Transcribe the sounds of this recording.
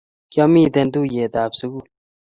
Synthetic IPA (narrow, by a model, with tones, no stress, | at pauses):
kja˦miː˦˨d̪e˧nd̪u˦je˨d̪aː˨psu˨˦ɡu˦